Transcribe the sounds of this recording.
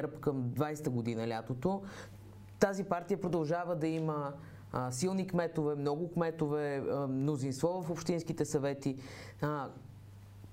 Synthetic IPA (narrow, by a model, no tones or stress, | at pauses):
ɾpkəmd̪vajst̪əɡod̪inɐlʲat̪ot̪o | t̪azipaɾt̪ijəpɾod̪ɐlˠʒavəd̪ɐimə | silˠnikmɛt̪ovɛmnɔɡʊkmɛt̪ovɛmnozinst̪vɔvəfopʃt̪inskit̪ɛsɐvɛt̪i